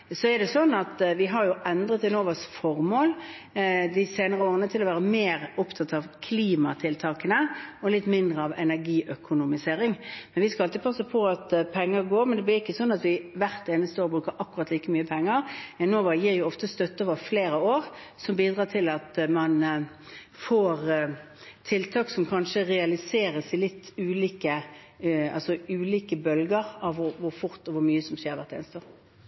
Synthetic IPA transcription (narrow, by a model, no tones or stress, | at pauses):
sɔɛd̪ɛsɔnːɑt̪ʋɪɦɑɾjʊʔɛnd̪ɾət̪ɪnoːʋɑsfɔɾmoːl | d̪ɪseːnəɾəoːʁənət̪ʰɪlɔʋæːɾəmeːɾʊpt̪ʰɑt̪ɑʋkʰliːmɑt̪ʰɪlt̪ʰɑːkənəɔlɪt̪ːmɪnd̪ɾəɑʋɛnæɾɡiːʔœkʰʊnʊmɪseːɾɪŋmɛnʋɪskɑɑlt̪ɪːpʰɑsəpʰɔɑt̪pʰɛŋːəɾɡoːɾmɛnd̪ɛblɪɪkːəsɔnːɑt̪ʋɪʋæɾt̪eːnəst̪əoːɾbʁʉːkəɾʔɑkːʊʉʁɑt̪liːkəmyːəpʰɛŋːəɾɛnoːʋɑjiːɾjʊɔft̪əst̪œt̪ːəoːʋəfleːɾəoːɾsɔmbiːd̪ʁɑːt̪ʰɪlɑt̪mɑn | foːʁ | t̪ʰɪlt̪ʰɑːksɔmkʰɑnʂəʁɛɑlɪseːɾəsɪlɪt̪ːʉːliːkə | ɑ̰lsɔʉːliːkəbœlɡəɾɑʋʋʊʋʊɾfʊɾt̪ɔʋʊɾmyːəsɔmʃeːɾʋæʁt̪ḛːnəst̪əoːɾ